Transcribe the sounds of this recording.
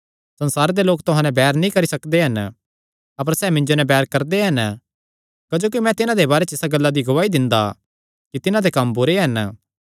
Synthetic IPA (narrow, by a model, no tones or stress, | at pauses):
sɐ̃nsaːɾed̪eloːkt̪ʊɦãnɛ̃bɛːɾnĩkɐɾisɐkd̪eɦɐn | ɐp̬əɾsɛːmɪ̃nd͡ʒonɛbɛːɾkɐɾd̪eɦɐn | kɐd͡ʒoːk̬imɛ̃t̪ɪnãd̪ebaːɾet͡ʃɪsaɡɐlːad̪iɡʊʋaːid̪ɪ̃nd̪a̰ | kit̪ɪnãd̪ekɐmbʊɾeɦɐn